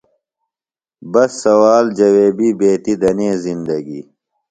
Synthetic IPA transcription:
bɐsːɐwaːld͡ʒɐweːbibeːt̪id̪ɐnẽːzind̪ɐɡḭ

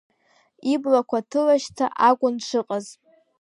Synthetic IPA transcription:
iblakʷʰatʰɨlaʃtʰa̰ʔaɡʷʼʊnʂʷʰɨqʼaz

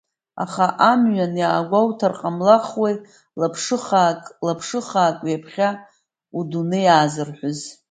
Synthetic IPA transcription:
a̰χaʔamɥanjaːɡʷawtʰarqʼamlaχwej | lapʰʂɨχakʼlapʰʂɨχaːkʼjapʰχʲa | udunɨjaːzɨrħʷʊz

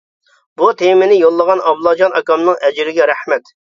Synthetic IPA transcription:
but̪ʰemɪnɪjolˠːəʁɑnɑblˠɑd͡ʒɑnɑkɑmnɨŋɛd͡ʒɾɪɡʲɛɾɛhmɛt̪

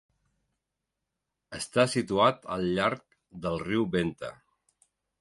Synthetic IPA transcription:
əst̪asit̪uat̪əlˠʎaɾk̚ | d̪əlˠriwβent̪ə̰

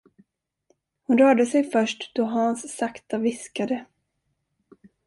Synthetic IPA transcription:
hʊnɾœːɖəsɛjfœʂʈd̪̥ɔɦansːakt̪avɪskad̪ə

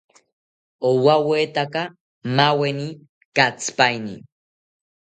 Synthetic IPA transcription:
owaweːt̪aka | maweni | kat͡sɨ̥pajnḭ

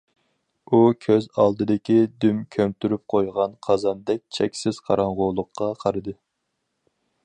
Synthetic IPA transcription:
ukʲʰøzɑlˠd̪ɨd̪ɪkʲid̪ymkʲʰømt̪ʰyɾyp̚qʰojʁɑnqʰɑzɑnd̪ɛk̚ʲt͡ʃʰɛkʲsɪz̥qʰɑɾɑŋʁolˠəqʰːɑqʰɑɾɨd̪ɨ

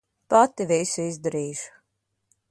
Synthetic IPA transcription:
pat̪ːivisuizd̪ɛɾiːʃ

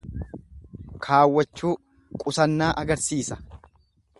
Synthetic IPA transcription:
kʰaːwːɐt͡ʃːuː | kʼʊsɐnːaːʔɐɡɐɾsiːsɐ̥

